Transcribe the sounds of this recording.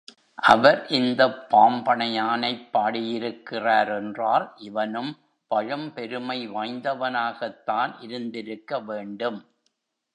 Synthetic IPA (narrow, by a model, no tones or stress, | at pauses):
ʔɐʋɐɾʔɪnd̪ɐpːaːmbɐɳɐjaːnɐɪpːaːɽɪjɪɾɯkːɪraːɾɛndraːlʔɪʋɐnɯm | pɐɻɯmpɛɾɯmɐɪʋaːjnd̪ɐʋɐnaːɣɐt̪ːaːnʔɪɾɯnd̪ɪɾɯkːɐʋeːɳɖɯm